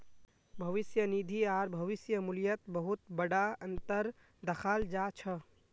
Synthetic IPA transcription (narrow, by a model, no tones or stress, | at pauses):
bʱɐʋɪsjənid̪ʱiaːɾbʱəʋɪsjəmuljət̪bəɦut̪̚bəɽaənt̪əɾ | d̪əkʰaːld͡ʒat͡ʃʰə